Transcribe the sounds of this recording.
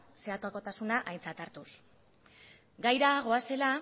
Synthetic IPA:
se̞at̪uako̞t̪asunaʔajnt͡sat̪aɾt̪us | ɡajɾaɣ̞o̞ase̞la

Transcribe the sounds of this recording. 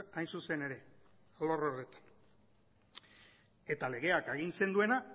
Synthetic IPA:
ajnsuse̞ne̞ɾe̞ | aloroɾðet̪ḁn | e̞t̪ale̞ɣ̞e̞akeɣ̞inse̞nd̪ue̞na

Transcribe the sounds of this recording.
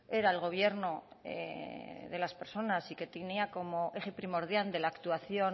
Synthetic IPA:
e̞ɾaelɣ̞o̞β̞je̞ɾno̞ḛðe̞laspe̞ɾso̞nasike̞t̪eniako̞mo̞ʔexepɾimo̞ɾðjald̪e̞laːkt̪uaθjo̞n

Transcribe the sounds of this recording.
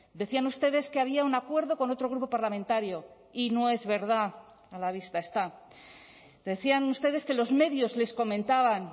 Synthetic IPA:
d̪e̞θianust̪e̞ðe̞skeaβ̞iaunakwe̞ɾðo̞ko̞no̞t̪ɾo̞ɣɾupo̞paɾlamẽ̞nt̪aɾjo̞ | ino̞e̞zβe̞ɾða | alaβist̪ae̞st̪a | d̪e̞θianust̪e̞ðe̞ske̞lo̞zme̞ðjo̞zle̞sko̞mẽ̞nt̪aβan

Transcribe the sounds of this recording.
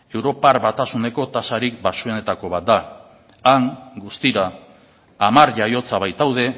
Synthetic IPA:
e̞wɾo̞paɾβat̪asune̞ko̞t̪asaɾikbasue̞ne̞t̪ako̞β̞at̪̚d̪a | aŋɡust̪iɾaː | maɾʎajo̞t͡saβajt̪awð̞e̞

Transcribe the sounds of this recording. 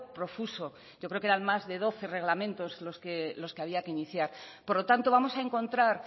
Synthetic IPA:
pɾo̞fuso̞ | ɟ͡ʝokɾeokeɾanmazðe̞ð̞o̞θe̞re̞ɣ̞lamẽ̞nt̪o̞zlo̞skelo̞ske̞aβiake̞iniθjaɾpo̞ɾlo̞t̪ant̪o̞βamo̞saeŋkõ̞nt̪ɾaɾ

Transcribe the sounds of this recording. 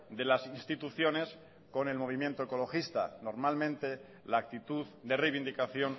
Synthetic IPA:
d̪e̞lasinst̪it̪uθjo̞ne̞s | ko̞ne̞lmo̞β̞imjent̪oeko̞lo̞xist̪a̰noɾmalmẽnt̪e̞ | laːk̚t̪it̪uðd̪e̞rejβind̪ikaθjo̞n

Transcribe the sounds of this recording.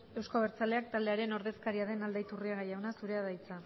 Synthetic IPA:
e̞wsko̞β̞eɾt͡sale̞ak̚t̪ald̪eaɾe̞no̞ɾðe̞skaɾiaðe̞nald̪ajt̪uriaɣ̞ajawnasuɾe̞aðajt͡sa

